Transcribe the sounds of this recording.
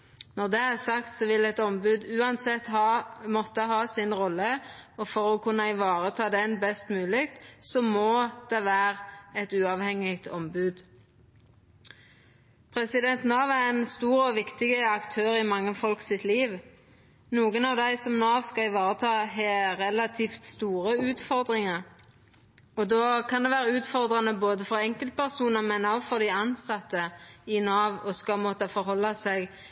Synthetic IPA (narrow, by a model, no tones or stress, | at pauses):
nɔʁd̪ɛæʁsɑkt̪sɔʋɪlɛt̪ɔmbʉːd̪ʉːɑnsɛt̪ːhɑmɔt̪ːəhɑːsɪnʁɔlːəɔfɔʁoːkʰʉnːəɪʋɑːʁət̪ʰɑːd̪ɛnbɛst̪mʉːlɪkt̪sɔmod̪̥ɛʋæːʁɛt̪ʉːɑʋhɛŋːɪɡt̪ʰɔmbʉːd̪ | pʰʁɛsɪd̪ɛnt̪nɑːʋæʁɛnst̪uːʁɔʋɪkt̪ɪɡəɑkt̪ʰøːʁɪmɑŋːəfɔlksɪt̪ʰliːʋ | nuːɡənɑʋd̪æɪsɔmnɑːʋskɑɪʋɑːʁət̪ʰɑːɦɛːʁɛlɑt̪ʰift̪st̪uːʁəʉːt̪fɔʁd̪ʁɪŋəʁ | ɔd̪oːkʰɑnd̪ɛːʋæːʁəʉːt̪fɔʁd̪ʁɑnəboːd̪əfɔʁɛŋkəlt̪̚pʰæʁsuːnəmɛnɔfɔʁd̪ɪɑnsɑt̪ːəɪnɑːʋɔskɑmɔt̪əfɔɾhɔlːɑsɛɡ